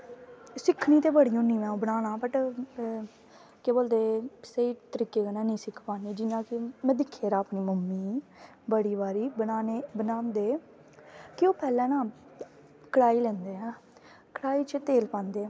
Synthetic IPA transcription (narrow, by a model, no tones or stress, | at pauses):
sɪkʰniːt̪eːbəɽiːõːniːmɛ̃ːũːbənaːnãːbəʈ | keːboːld̪eːsəiːt̪əɾiːkeːkənɛ̃ːnĩːsɪkʰpaːniːd͡ʒɪnãːkɪmɛ̃ːd̪ɪkʰːeːɾaːəpɳiːməmːiː | bəɽiːbaːɾiːbənaːneːbənaːnd̪eː | kɪoːpɛːlɛ̃ːnãː | kəɽaːiːlɛ̃ːnd̪eːãː | kəɽaːiːt͡ʃət̪eːlpãːnd̪eː